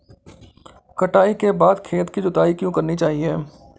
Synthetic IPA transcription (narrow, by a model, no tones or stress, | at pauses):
kɐʈaːikebaːd̪kʰeːt̪kid͡ʒʊt̪aːikjõːkɐɾnit͡ʃaːɦieː